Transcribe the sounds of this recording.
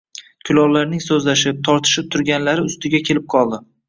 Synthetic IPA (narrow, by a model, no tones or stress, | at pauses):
kʲʰʊlɒwlaɾnɪŋsɵzlaʃɪp̚t̪ʰɒɾt̪ʰɪ̥ʃɪp̚t̪ʰʊɾɡʲanlaɾɪʊst̪ɪɡʲakʲʰe̞lɪp̚qʰɒlˠd̪ɪ